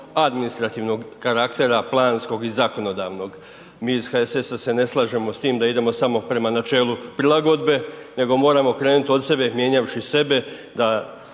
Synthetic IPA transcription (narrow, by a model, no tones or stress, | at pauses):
ad̪minist̪ɾat̪iʋno̞ɡkaɾakt̪e̞ɾaplˠaːnsko̞ɡizako̞no̞d̪aːʋno̞ɡ | miːizxaesesase̞ne̞slˠaʒe̞most̪iːmd̪aid̪e̞mo̞samo̞pɾe̞manat͡ʃe̞ːlupɾilˠaɡo̞d̪be̞ne̞ɡo̞mo̞ːɾamo̞kɾe̞ːnut̪o̞t̪se̞be̞mje̞ɲaʋʃise̞be̞ | d̪a